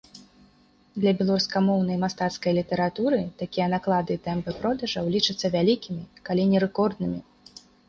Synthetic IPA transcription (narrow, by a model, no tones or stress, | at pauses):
d̪lʲɐbʲɛlˠaɾuskamɔwnɐjmast̪at̪skɐjlʲit̪ɛɾat̪uɾɨt̪akʲijɐnaklˠad̪ɨt̪ɛmpɨpɾɔd̪ɐʐɐwlʲit͡ʂɨt̪sːɐvʲalʲikʲimʲikalʲinʲɛɾɛkɔrd̪nɨmʲi